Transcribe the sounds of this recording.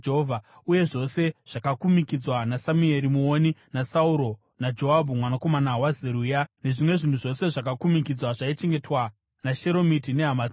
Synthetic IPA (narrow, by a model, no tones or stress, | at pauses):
ɦovʱa | uje̞ʐo̞se̞ʐ̥akakumikid͡zwanasamue̞ɾimuoninasauɾo̞ | nad͡ʒo̞ɦabʱumwanako̞manawazeɾujane̞ʐimwe̞ʐin̤uʐo̞se̞ʐakakumik̬id͡zwaʐait͡ʃe̞ŋɡe̞twa | naʃe̞ɾo̞mitine̞ɦama